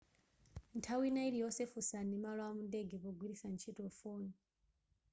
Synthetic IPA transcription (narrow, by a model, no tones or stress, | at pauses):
ntʰawinailijɔsɛfusanimalɔamundɛɡɛpɔɡwiɾisant͡ʃʰitɔfoːni